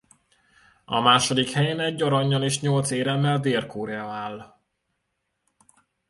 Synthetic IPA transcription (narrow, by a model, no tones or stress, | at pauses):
ɒ̰maːʃo̞d̪ikhɛjeːnɛɟːɒɾɒɲːɒleːʃɲo̞lt̪seːɾɛmːɛld̪eːrkoɾɛɒaːl